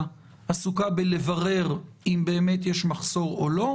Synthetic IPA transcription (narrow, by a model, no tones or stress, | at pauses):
asukabele̞vaʁe̞ʁ | imbe̞ːmetjeʃmaχso̞ʁolo̞